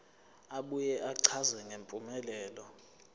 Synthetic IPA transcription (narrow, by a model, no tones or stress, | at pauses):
aɓujɛʔaǀʰazɛŋʱempʼumɛlɛːlɔ